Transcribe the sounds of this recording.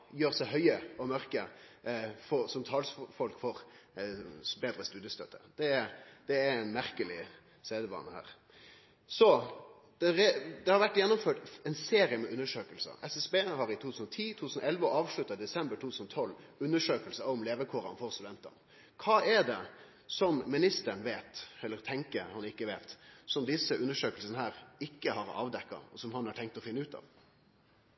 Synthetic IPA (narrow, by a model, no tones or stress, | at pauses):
jøːɾsæɪɦœʏəɔmœɾkə | fɔsɔmt̪ʰɑːlsfɔlkfɔɾ | beːd̪ɾəst̪ʉːd̪jəst̪œt̪ʰːəd̪̥ɛɛd̪̥ɛæɛnmæɾkəlɪ | seːd̪əʋɑ̰ːnəhæ̰ːɾ | sɔ | d̪̥ɛɾɛd̪ɛhɑɾʋæʈːjɛnːʊmføːʈɛnseːɾɪəmɛʔʉnːəʂøːkəlsə̰ʔɛsɛsbeːhɑɾɪt̪ʰuːt̪ʰʉ̥ːsn̩ɔt̪ʰiːut̪ʰʉsənɔʔɛlʋəɔɑːʋʂɭʉt̪ːɑd̪ɛsɛmbəɾʈʰuːt̪ʰʉːənɔt̪ʰɔlːʉnːəʂøːkəlsəɑɔmleːʋəkʰoːɾɑ̰nfɔɾst̪ʉd̪ɛnt̪ɑ̰n | kʰɑːɛɖɛ | sɔmmɪnɪst̪əɾənʋeːt̪ɛlːəɾt̪ʰɛŋkəɾhɑnɪkːəʋeːt̪sɔmd̪ɪsːəʔʉnːəʂøːkəlsənəhæːɾɪkːəhɑɾɑ̰ːʋd̪ɛkːɑ̰ɔsɔmhɑnhɑʈʰɛŋk̚t̪ɔfɪnːʉːt̪ɑ̰ːʋ